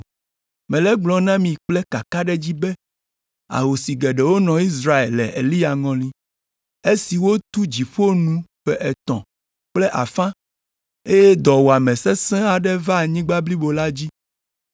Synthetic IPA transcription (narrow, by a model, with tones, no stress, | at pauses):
mɛ̃˨lɛ˦ɡ͡blɔ̃˨nã˦mĩ˨k͡plɛ˦ka˨ka˦ɖɛ˦d͡ʑi˦bɛ˦ | a̰˨ɦo˨si˨ɡɛ˨ɖɛ˨wo˦nɔ̃˨i˦s̬ɾa˦e˨llɛ̰˨ʔḛ˨li˦a˨ŋɔ̃˨lĩ˦ | e˦si˨wo˦t̪u˦d͡ʑi˨ɸo˦nũ˦ɸɛ˦ʔɛ˨t̪ɔ̰̃˨ | k͡plɛ˦ʔa̰˨fã˦ | e˦jɛ˦d̪ɔ˨wo˨a˨mɛ̃˨sɛ˦sɛ̃˦a˨ɖɛ˦va˦˨ɲĩ˦ɡ͡ba˦bli˦bo˨la˦d͡ʑi˦